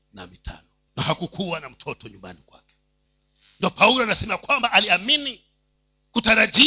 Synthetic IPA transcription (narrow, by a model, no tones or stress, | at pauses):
na̰mitʰa̰nɔ | nahakukʰuwanam̩tʰɔtɔɲumba̰nikwa̰kɛ̥ | ndiɔpaulɔanasɛmɛakwambaʔaliamini | kutaɾaʄi